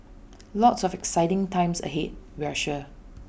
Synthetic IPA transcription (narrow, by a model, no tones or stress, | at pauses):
lɔtsɔfɛksaɪtɪ̃ŋtʰãɪ̃msə̰ɦet̚wɛʃə